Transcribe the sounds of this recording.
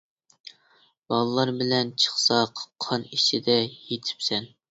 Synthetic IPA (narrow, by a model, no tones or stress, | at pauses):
bɑlˠlˠɑɾbɪlɛnt͡ʃʰə̥χsɑqʰqʰːɑnit͡ʃʰid̪ɛjet̪ʰɪ̥psɛn